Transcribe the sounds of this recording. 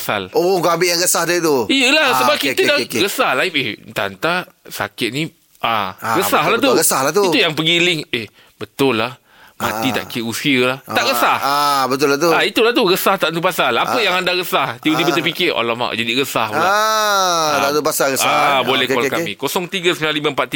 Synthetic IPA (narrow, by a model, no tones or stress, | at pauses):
asa̰loɔŋkamɪjaŋɣəsahdət̪uijəlahsəbap̚kit̪ədaɣəsahlajɪpehnt̪a̰nt̪asa̰kɪt̪̚nĩ | ʔaɣəsaɦlaht̪uəsahlaht̪uit̪ujaŋpəɡilɪŋeh | bət̪ʊlːah | mã̰t̪it̪a̰ʔkiusiəlaht̪aʔɣəsahabət̪ʊlat̪uait̪ulaht̪uɣəsaht̪aʔt̪upasalapəjaŋandaɣəsaht̪iudibət̪əpikɪʔo̰lama̰ʔd͡ʒadiɣəsahua | at̪upasaɣəabolɛhwakamĩkosɔŋt̪iɡəsəminaliməmpat̪i